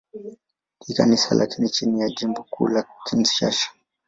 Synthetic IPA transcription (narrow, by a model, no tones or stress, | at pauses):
kikanisa̰lʔa̰kinit͡ʃinijad͡ʒimbɔkṵlakinsi̥ʃaʃḁ